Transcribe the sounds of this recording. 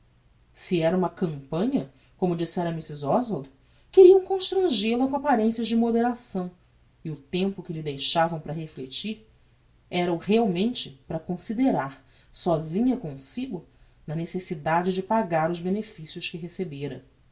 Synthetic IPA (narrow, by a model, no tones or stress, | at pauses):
siɛɾɐũmɐkɐ̃mpɐ̃ɲɐ | kõmʊd͡ʒisɛɾɐmisizɔzvod̪ | kɪɾiɐ̃w̃kõʃt̪ɾɐ̃ʒilɐkõapaɾẽsjɐzd͡ʒɪmod̪eɾasɐ̃w̃ | ɪʊt̪ẽmpʊkɪlɪd̪ejʃavɐ̃w̃pɾɐɦeflet͡ʃiɾ | ɛɾɐʊheawmẽnt͡ʃɪpɾɐkõsid̪eɾaɾ | sɔzĩɲɐkõsiɡʊ | nɐnesesid̪ad͡ʒɪd͡ʒɪpaɡaɾʊzbenefisiʊʃkɪɦesebeɾɐ